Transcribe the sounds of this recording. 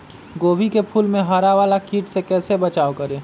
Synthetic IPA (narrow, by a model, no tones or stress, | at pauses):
ɡoːbʱikepʰuːlmẽɦaːɾaʋaːlakiːʈsekɛːsebɐt͡ʃaːokəɾẽː